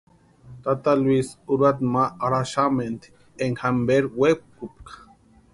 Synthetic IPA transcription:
t̪at̪alwisuɾad̪maːɾaʃament̪ | eŋhambeɾwekup̚kḁ

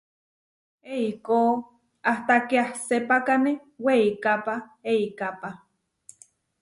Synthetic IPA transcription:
eikoː | aht̪akeahsepakane | weikapaeikapa

